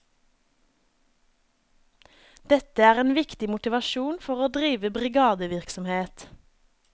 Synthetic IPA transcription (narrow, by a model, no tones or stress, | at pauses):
d̪̥ɛt̪əæːʁeːnʋɪkt̪ɪmʊt̪ɪʋɑʃuːnfɔʁoːd̪ʁiːʋəbʁɪɡɑːd̪əʋɪʁksɔmheːt̪